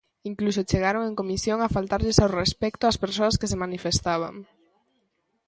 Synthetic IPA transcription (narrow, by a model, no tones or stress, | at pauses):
iŋklusot͡ʃeɣ̞aɾoŋeŋkomisjoŋafalt̪aɾʎesawrespɛkt̪oaspeɾsoaskesemanifest̪aβ̞a̰ŋ